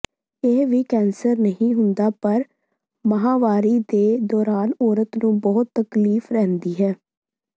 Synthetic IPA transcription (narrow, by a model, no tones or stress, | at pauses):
ɪɦʋiːkɛːnsəɾnəɦĩːɦʊnd̪aːpəɾ | məɦaːʋaːɾiːd̪eːd̪ɔːɾaːnɔːɾət̪nũːbɔːʊt̪ːəkliːfɾɛːnd̪iːɦɛː